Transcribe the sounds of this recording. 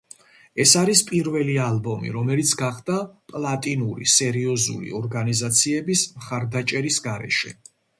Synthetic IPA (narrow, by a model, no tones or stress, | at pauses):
ɛsaɾispʼiɾvɛlialˠbɔmḭɾɔmɛlit̪sʰɡaχd̪̥apʼlˠat̪ʼinuɾḭsɛɾiɔzṵlḭɔɾɡanizat̪sʰiɛbismχaɾd̪at͡ʃʼɛɾisɡaɾɛ̰ʃɛ̰